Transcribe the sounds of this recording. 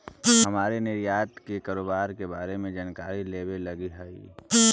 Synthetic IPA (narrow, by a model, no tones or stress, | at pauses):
ɦəmaːɾenɪɾjaːt̪kekaːɾoːbaːɾkebaːɾemẽd͡ʒaːnkaːɾileːbelɐɡiɦəḭ